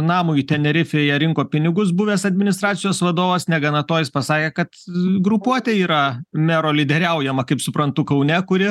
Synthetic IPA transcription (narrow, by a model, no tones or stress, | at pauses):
nɑːmʊːit̪ʲɛnʲɛɾʲɪfʲeːjɛɾʲɪŋkoːpʲɪnʲɪɡʊsbʊʋʲeːsɐd̪ʲmʲɪnʲɪst̪ɾɑːt̪sʲɪjoːsʋɐd̪oːʋɐsnʲɛɡɐnɐt̪oːjɪspɐsɑːkʲeːkɐt̪ɡɾʊpuɔt̪ʲeiːɾɐmʲæɾoːlʲɪd̪ʲɛɾʲɛʊjɛmɐkɐɪpsʊpɾɐnt̪ʊkɐʊnʲɛkʊɾʲɪ